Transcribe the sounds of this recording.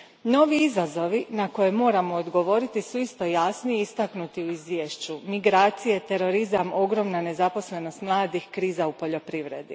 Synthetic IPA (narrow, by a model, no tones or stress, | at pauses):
no̞ʋiizazo̞ʋinako̞je̞mo̞ːɾamo̞ːd̪ɡo̞ʋo̞ɾit̪isuist̪o̞jasnijeist̪aknut̪iuizʋʲjeːʃt͡ɕumiɡɾaːt̪sije̞t̪e̞ɾo̞ɾizamo̞ɡɾo̞mnane̞zapo̞sle̞no̞st̪mlˠaːd̪ixkɾiːzaupo̞ʎo̞pɾiʋɾe̞̰d̪ḭ